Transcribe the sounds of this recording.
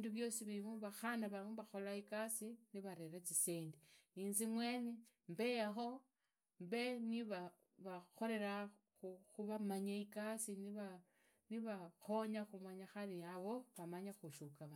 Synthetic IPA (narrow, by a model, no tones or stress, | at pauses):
iːnduβjo̞siβiimuβaxanaβamuβaxo̞laikasiniβaɾe̞ɾat͡siseːndiinzimwe̞ne | mbe̞jaxo̞ | mbe̞niβa | βaxo̞le̞ɾa | xuxuβamaɲaikasiniβa | niβaxo̞ɲaxumaɲaxaliaβo̞βamaɲaxuʃukaβa